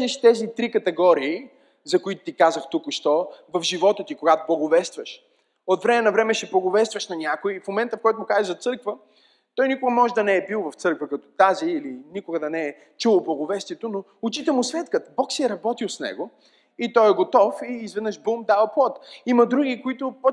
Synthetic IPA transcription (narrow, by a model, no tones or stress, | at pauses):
nɛʃt̪ɛzit̪ɾikɐt̪ɛɡɔɾiː | zɐkoit̪ʊ̥t̪ikazəxt̪ukʊʃt̪ɔvɐfʒivɔt̪ət̪ikoɡat̪o̥blˠɐɡovɛst̪vɐʃ | ot̪vɾɛmɛnɐvɾɛmɛʃɛplˠɐɡovɛst̪vəʃnɐnʲakʊifmomɛnt̪əfkɔjt̪ʊmʊkazɛʒzɐt̪sɤɾkvə | t̪ɔjnikʊɡəmɔʒɛd̪ɐnɛːɛbilˠvɐft̪sɤɾkvəkɐt̪ɔ̥t̪aziːlinikʊɡəd̪ɐnɛː | t͡ʃulˠblˠɐɡovɛst̪iɛt̪ono | ʊt͡ʃit̪ɛmʊsvʲɛt̪kət̪bɔksiɛɾɐbɔt̪ilˠsnɛ̰ɡo | it̪ɔjɛɡot̪ɔfiːzvɛd̪nəʃbumd̪avɐplˠɔt̪imɐd̪ɾuɡikoit̪ʊpo